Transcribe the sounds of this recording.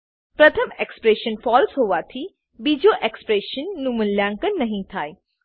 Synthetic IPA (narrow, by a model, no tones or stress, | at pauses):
pɾɐt̪ʰəmekspɾeːʃənfɔːlsɦoːʋaːt̪ʰi | bid͡ʑoːʔekspɾeːʃənːũmɐnljãːŋkənːɐɦĩt̪ʰaːe